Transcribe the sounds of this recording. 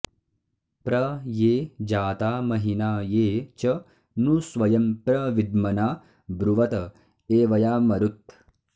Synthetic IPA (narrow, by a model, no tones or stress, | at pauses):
pɾɐjeːd͡ʒaːt̪aːmɐɦinaːjeːt͡ʃɐ | nusʋɐjɐmpɾɐʋid̪̚mɐnaː | bɾuʋɐt̪ɐ | eːʋɐjaːmɐɾut̪̚